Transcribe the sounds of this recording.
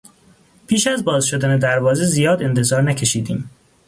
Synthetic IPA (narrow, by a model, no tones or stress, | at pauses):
pʰiːʃæzbɒːzʃo̞d̪æned̪æɾvɒːze̞zijɒːd̪e̞nt̪ʰe̞zɒːɾnæcʰe̞ʃiːd̪ḭːm